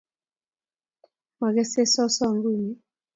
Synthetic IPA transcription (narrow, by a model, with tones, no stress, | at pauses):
ma˨ɣɛ˦se˦sɔ˦sɔ˦˨ŋɡu˦˨ɲi˨